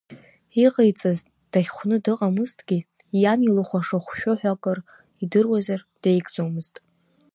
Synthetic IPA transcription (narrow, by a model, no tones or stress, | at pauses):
iqʼejt͡sʼaz | d̥aχʲχʷnɨdɨqʼamɨztʰʼɡʲi | janilɨχʷaʂaχʷʃᶣoħʷᶣakʼɨr | idɨrwazard̥ejɡʼd͡zomɨztʼ